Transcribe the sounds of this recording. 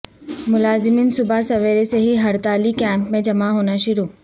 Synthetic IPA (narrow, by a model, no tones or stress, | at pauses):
mʊlaːzɪmiːnsʊbasɐʋeːɾeseɦiɦɐɾt̪aːlikɛ̃ːmpmẽd͡ʒɐmaɦoːnaʃʊɾuː